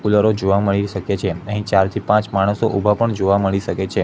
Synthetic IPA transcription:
kuləɾod͡ʒoʋaməɭiʃəkjet͡ʃʰeəɦĩt͡ʃaɾt̪ʰipãt͡ʃmaɽ̃əsoʔubʱapəɳd͡ʒoʋaməɭiʃəket͡ʃʰe

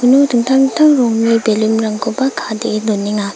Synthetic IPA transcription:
unotʰɯŋt̪ʰaŋt̪ʰaŋɾɔŋmibelimɾaŋkʰopakʰadelonːiŋa

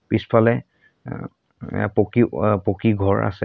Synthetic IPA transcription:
pispʰalɛ | pokipokiɡʱɔɹa̰sɛ̰

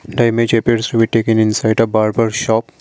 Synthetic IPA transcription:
ɖaɪmẽd͡ʒepieɾsɾubiʈeːkɪ̃ŋɪ̃nsaɪɖɔbaːɾbaɾʃɔːp

